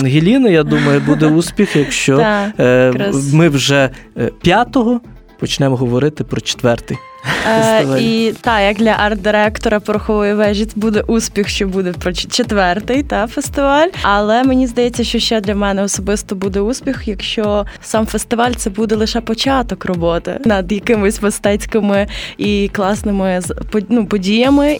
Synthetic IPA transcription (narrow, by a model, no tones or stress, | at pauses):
ɦʲilʲinʊjad̪umɐjʊbud̪ɛuspʲixjɐkʃt͡ʃɔ | mɪwʒɛpʲjat̪ɔɦɔ | pɔt͡ʃnɛmɔɦɔʋɔɾɪt̪ɪpɾɔt͡ʃe̥t̪ʋɛrt̪ɪj | ɪʋit̪ɑjɐkd̪lʲɐʔɑrt̪d̪ɪɾɛkt̪ɔɾɐpɔɾʊxɔʋɔjiʋɛʒit͡s̪ʲbud̪ɛʔusʲpʲixʃt͡ʃɔbud̪ɛpɾɔt͡ʃet̪ʋɛrt̪ɪjt̪ɑfest̪ɪʋɑlʲɐlˠɛmenʲizd̪ɐjɛt͡sʲːɐʃt͡ʃɔʃt͡ʃɛd̪lʲɐmɛnɛɔsɔbɪst̪ɔbud̪ɛuspʲixjɐkʃt͡ʃɔsɑmfest̪ɪʋɑlʲt̪sɛbud̪ɛlˠɪʃɛpɔt͡ʃɑt̪ɔkrɔbɔt̪ɪ̰nɐd̪jɐkɪmɔsʲmɐst̪ɛt͡sʲkɪmɪiklˠɑsnɪmɪzpɔnupɔdʲijɐmɪ